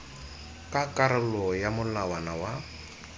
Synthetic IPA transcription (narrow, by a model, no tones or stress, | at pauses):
kʼakʼaɾɪlɔjamʊlawanawa